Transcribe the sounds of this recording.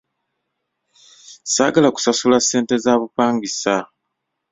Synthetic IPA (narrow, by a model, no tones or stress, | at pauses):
sa̰ːɡalaku̥sasulasːe̞ːnte̞zaːβupaːŋɡisa